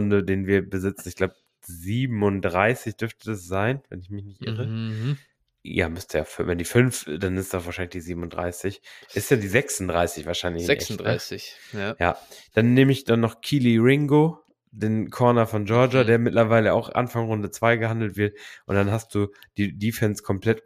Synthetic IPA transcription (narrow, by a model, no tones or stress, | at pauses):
ʊndədeːnviːɐbəzɪt͡sn̩ɪçɡ̥laʊbə | ziːbm̩ʊntdʁaɪsɪçd̥ʏɐftəd̥asz̥aɪnvɛ̰nɪçmɪçnɪçtʔɪ̰ʁə | ja̰ːmʏstəja̰ːfvɛndiːfʏnfd̥anɪstd̥ɔv̥aːʃaɪnlɪçd̥iːziːbm̩ʊnd̥ʁa̰ɪsɪçʔʔɪstjaːdiːzɛksʊndʁaɪsɪçv̥aːɐʃaɪnlɪçʔɛʁɪja̰ːd̥anːeːməɪçd̥anːɔχkʰiːliʁɪŋɡo | deːnkʰɔɐnɐfɔnd͡ʒɔɐd͡ʒadeːɐmɪtlɐvaɪləa̰ʊxʔa̰nfaŋʁʊndət͡sv̥aɪɡəhandl̩tv̥ɪɐt̚ʔʊnd̥anɦast̚d̥uː | d̥iːdiːfɛnskʰɔmpl̥ɛt